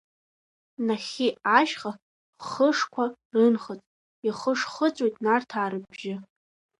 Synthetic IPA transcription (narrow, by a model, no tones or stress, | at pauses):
naχʲiaʃχa | χəʂkʷʰarɨnχət͡sʼ | iχəʂχət͡sʷʼwejtʼnartʰaːɾɨbʒɪ